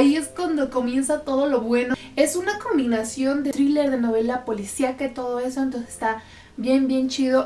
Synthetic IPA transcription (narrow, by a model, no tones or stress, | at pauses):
ie̞skwand̪o̞ko̞mje̞nsat̪o̞ðo̞lo̞βwe̞no | e̞sunako̞mbinasjo̞nd̪e̞t̪ɾile̞ɾðe̞no̞βe̞lapo̞lisjakat̪o̞ð̞o̞e̞soent̪o̞nsese̥st̪a | bje̞mbje̞nt͡ʃið̞o̞